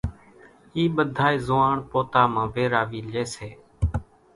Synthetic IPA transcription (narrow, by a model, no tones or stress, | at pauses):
iːɓəd̪ʱaːiːzʊːaːɳpoːt̪aːmãːʋeːɾaːʋiːleːseː